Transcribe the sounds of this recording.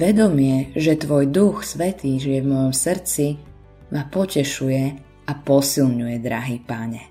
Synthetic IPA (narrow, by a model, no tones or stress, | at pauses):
ʋɛd̪ɔmɪɛʒɛt̪ʋɔjd̪uxsʋɛt̪iːʒijɛvmɔjɔmsr̩t͡si | mapɔcɛʃujɛ | apɔsilɲujɛd̪ɾaɦiːpaɲɛ